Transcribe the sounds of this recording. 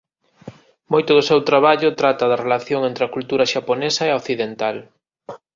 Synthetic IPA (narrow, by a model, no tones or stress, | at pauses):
mojt̪ʊðʊsewt̪ɾaβaʎʊt̪ɾat̪ɐðɐrelaθjoŋent̪ɾɪɐkult̪uɾɐʃaponesɐeoθiðent̪al